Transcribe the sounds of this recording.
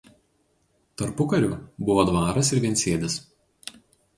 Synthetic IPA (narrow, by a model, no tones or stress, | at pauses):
t̪ɐɾpʊkɐɾʲuːbʊʋoːd̪ʋɑːɾɐsɪɾʋʲɛnʲsʲeːd̪ʲɪs